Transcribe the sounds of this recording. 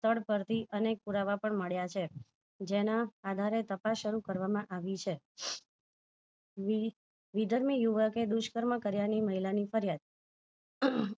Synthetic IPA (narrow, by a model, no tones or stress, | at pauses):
st̪ʰəɽpəɾt̪ʰiʔənek̚puɾaʋapəɳməɭjat͡ʃʰe | d͡ʒenaːd̪ʱaɾet̪əpasʃəɾukəɾʋamãʔaʋit͡ʃʰe | ʋid̪ʱəɾmijuʋəked̪uʃkəɾməkəɾjaniməɦilanifəɾjad̪̚